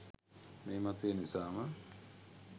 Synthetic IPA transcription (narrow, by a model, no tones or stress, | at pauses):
meːmat̪ujenisaːmə